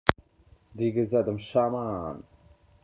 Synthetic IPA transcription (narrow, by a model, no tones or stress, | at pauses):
d̪iɡəzæd̪əmʃaman